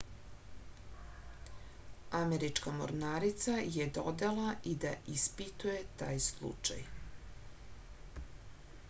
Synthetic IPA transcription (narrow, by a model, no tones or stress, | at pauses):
ameɾit͡ʃkamo̰ɾnaːɾit̪sajed̪od̪elaid̪aʔispit̪uje̞t̪aːjslˠṵt͡ʃa̰j